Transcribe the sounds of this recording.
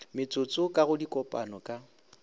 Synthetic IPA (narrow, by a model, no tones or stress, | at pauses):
mɪt͡sʼʊt͡sʼʊkʼaɣʊdikʼɔpʼa̰nɔkʼa